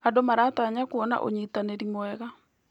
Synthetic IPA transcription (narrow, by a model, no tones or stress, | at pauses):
adomaɾaːtaɲakuɔna̰ʔo̰ɲitaneɾimɔɛɣa